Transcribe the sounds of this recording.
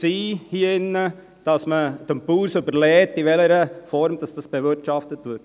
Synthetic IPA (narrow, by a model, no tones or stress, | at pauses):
siːhiːəɪnːə | d̥ɑsməd̥əmpuːɾsʉbəɾlɛːtiʋɛləɾəfɔɾmd̥ɑsd̥ɑsb̥ɛʋɪɾtʃɑftətʋɪɾt